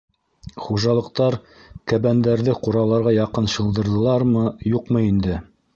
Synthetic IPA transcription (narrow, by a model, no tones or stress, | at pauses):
χuʒɑlˠɤ̆q̚t̪ɑɾ | kæβænd̪æɾðɘquɾɑlˠɑɾʁɑjɑqɤnɕɤ̆lˠd̪ɤ̆ɾðɤ̆lˠɑɾmɤjuqmɤind̪ɘ